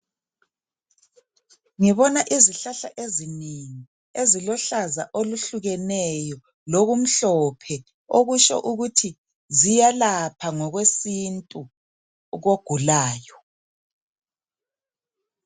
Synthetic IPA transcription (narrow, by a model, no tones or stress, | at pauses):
ŋiβɔnaʔiziɬaɬaʔezineŋi | ezilɔɬaza̰ʔoluɬuɣɛnɛjɔ | loɣum̩ɬɔpʰɛ | oɣuʃɔ̰ʔuɣutʰi | zijalapʰaŋɔɣwesintʼu | ɣoɡ̥ʱulaːjɔ